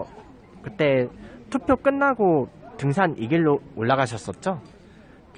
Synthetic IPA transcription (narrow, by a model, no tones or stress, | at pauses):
kɯt͈e̞tʰupʰjok͈ɯnːaɡotɯŋs̬ʰanʔiɡiɭːoːɭːaɡaɕʰʌs͈ʌt̚t͡ɕ͈o | k